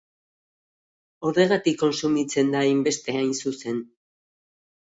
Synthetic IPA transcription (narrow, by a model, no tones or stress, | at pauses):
oðe̞ɣat̪ikːo̞nsumit͡se̞nd̪ajmbe̞st̪e̞ajnsuse̞n